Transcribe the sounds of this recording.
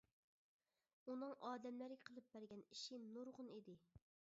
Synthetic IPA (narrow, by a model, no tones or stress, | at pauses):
unɨŋʔɑːd̪ɛmlɪɾɪqʰəlˠɨp̚bæɾɡʲɛniʃinuɾʁʊnid̪ɪ